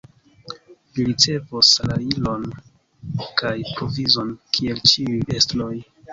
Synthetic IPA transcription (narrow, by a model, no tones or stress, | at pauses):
liɾit͡se̞vosalailo̞n | kajpɾo̞vizo̞nkʰie̞lt͡ʃiuje̞stlo̞j